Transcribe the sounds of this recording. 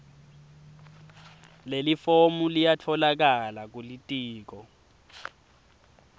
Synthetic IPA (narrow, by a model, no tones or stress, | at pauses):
lelifomulijatʰɔlak̬alak̬ulitʼiːk̬ɔ